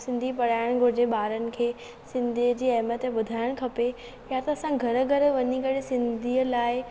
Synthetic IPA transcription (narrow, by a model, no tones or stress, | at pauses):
sɪ̃nd̪ʱipɐɽ̤aːɪɽ̃ɡʱʊɾd͡ʑeɓaːɾənɪ̆kʰeː | sɪ̃nd̪ʱiəd͡ʑiːɐɦmət̪ɓʊd̪ʱaːɪɽ̃kʰɐpe | jat̪ɐɐsãɡʱɐɾə̆ɡʱɐɾʋɐɲikɐɽɪsɪ̃nd̪ʱiːəlaːɪ